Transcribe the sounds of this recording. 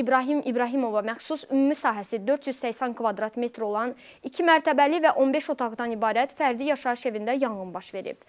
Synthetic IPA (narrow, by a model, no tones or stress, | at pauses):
ibɾɑɦimʔibɾɑɦimo̞vɑmæxsusymumisɑːɦæsid̪ø̞ɾt̪ʰjyzsæçsæŋkʰvɑd̪ɾɑt̪me̞t̪ʰɾo̞lˠɑn | icʰimæɾt̪ʰæbælivæʔo̞nbe̞ʃo̞t̪ʰɑɣd̪ɑnibɑːɾæt̪fæɾd̪ijɑʃɑɯʃe̞vind̪æjɑŋɯnbɑʃve̞ɾḭb̥̚